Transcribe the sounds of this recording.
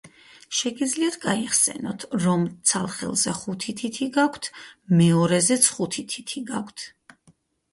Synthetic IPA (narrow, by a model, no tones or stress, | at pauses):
ʃɛɡid̪zliat̪ʰɡaiχsɛ̰nɔt̪ʰɾɔmt̪sʰalˠχɛ̰lˠzɛχut̪ʰit̪ʰit̪ʰiɡakʰt̪ʰmɛɔɾɛzɛt̪sʰχut̪ʰit̪ʰit̪ʰiɡakʷʰt̪ʰ